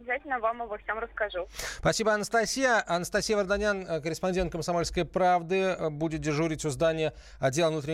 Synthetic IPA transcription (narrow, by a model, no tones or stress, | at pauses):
bʲɪzatʲɪlʲnəvamɐvofsʲamrəskɐʐuspɐsʲibəɐnəst̪ɐsʲijəʔɐnəst̪ɐsʲijəvərd̪ɐnʲankəɾʲɪspɐnʲdʲent̪̚kəmsɐmo̞lʲskəjpɾavd̪ɨbudʲɪt̪̚dʲɪʐuɾʲɪtʲʊzd̪anʲɪjə | ɐdʲːelˠvnut̪ɾʲɪ